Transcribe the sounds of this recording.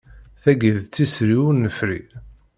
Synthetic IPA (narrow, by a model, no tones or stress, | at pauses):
θæɡəðt͡s̪ːisɾiwnːəfɾi